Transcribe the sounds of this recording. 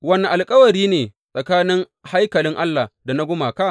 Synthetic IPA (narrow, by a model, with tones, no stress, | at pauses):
wɐ˦na˨ʔa˨lkʼɐ˦wɐ˨ɾiː˦neː˨ | sʼɐ˨kaː˦nɪ˦ŋ | ha˦jkɐ˨lɪ˦ŋʔa˦lːa˨da˨na˦ɡʷʊ˦maː˨ka˦˨ʔ